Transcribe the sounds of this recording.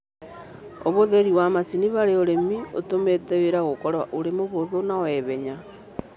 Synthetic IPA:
oβoðeɾiwamasiniβaɾeoɾemio̰tometeweɾaɣokɔɾwaʔoɾemoβoðonawɛβɛɲa

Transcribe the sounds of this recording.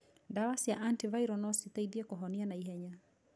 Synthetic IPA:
dawasjaʔantivaiɾɔnɔsit̪ɛidiɛkɔɦɔnianaiɦɛɲa

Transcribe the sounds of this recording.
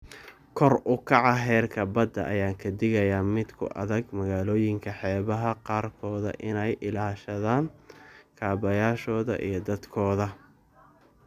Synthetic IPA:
kʰɔrʊkʰɑʕɑɦɛːrkʰɐbɐd̪ɐ̰ʔɐ̰jaːŋkʰɐd̪ɪɣɐjaːmɪd̪kʰʊ̰ʔɐ̰ðɐɡmɐɣaːlɔːjɪŋkʰɐħɛːβɐɦɐqɑːrkʰɔːðɐ̰ʔɪnɛjʔɪlaːʃɐðaːnkʰaːbɐjaːʃɔːðɐ̰ʔḭjɞd̪ɐd̪kʰɔːðɐ

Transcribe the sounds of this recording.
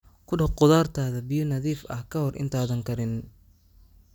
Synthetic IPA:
kʰʊɖɐqʊðaːrt̪ʰaːðɐbɪjɔnɐðiːfɐ̰hkʰɐɦɔrʔɪ̰nt̪ʰaːðɐŋkʰɐɾɪn

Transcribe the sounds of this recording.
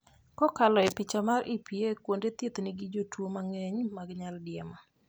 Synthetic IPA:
kɔkalɔɛpɪt͡ʃamarʔɪpiekwondet̪jet̪niɡɪd͡ʒotwomaŋɛɲmaɡɲaldɪɛma

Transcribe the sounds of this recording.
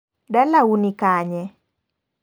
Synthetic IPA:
dalaunikaɲɛ

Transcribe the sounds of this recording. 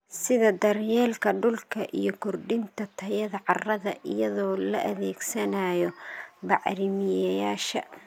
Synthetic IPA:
sɪðɐd̪ɐrjɛːlkʰɐɖʊlkʰɐʔijɔkʰɔrɖɪnt̪ʰɐt̪ʰɐjɐðɐʕɑrɐðɐʔɪjɐðɔːlɐʔɐðɛːɡsɐnajɔbɑʕɾɪmɪjɐjaːʃɐ̰

